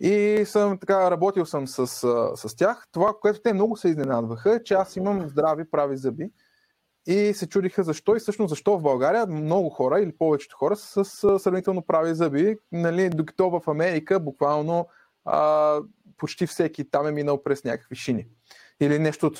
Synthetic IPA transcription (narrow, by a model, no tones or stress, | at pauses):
isəmt̪ɐkaɾɐbɔt̪ilˠsəmsəsəsəst̪ʲjaxt̪ovakoɛt̪ʊt̪ɛmnɔɡʊsɛiznɛnad̪vəxəɛt͡ʃɛasiməmzd̪ɾavipɾavizɤbi | isɛt͡ʃud̪ixəzɐʃt̪ɔisɤʃnoszɐʃt̪ɔvbɐlˠɡaɾijəmmnɔɡʊxɔɾəilipɔvɛt͡ʃɛ̥t̪o̥xɔɾəsəsəsɾɐvnit̪ɛlˠnopɾavizɤbinɐlid̪oki̥t̪ɔvəfɐmɛɾikəbʊkvalˠno | ə | pot͡ʃt̪ifsɛkʲit̪amɛminəlˠpɾɛsnʲa̰kə̥kviʃini | ilinɛʃt̪ot̪